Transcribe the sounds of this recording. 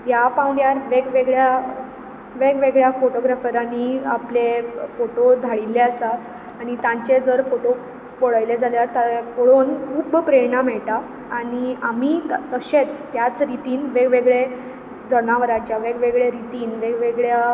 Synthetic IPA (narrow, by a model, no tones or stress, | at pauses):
japãwɳɖjaɾʋeɡʋeɡɭja | ʋeɡʋeɡɭjafoʈoɡɾafəɾaniaplefoʈod̪ʱaɭilːeəsaː | ɽ̃it̪ãɲt͡ɕed͡zəɾfoʈo | poɭajled͡zʱaljaɾt̪apoɭonubpɾenamɛɭʈaː | ɽ̃iamiːt̪əɕet͡st̪jat͡sɾit̪iːnʋeɡʋeɡɭe | d͡zənaʋəɾat͡ɕjaʋeɡʋeɡɭeɾit̪iːnʋeɡʋeɡɭja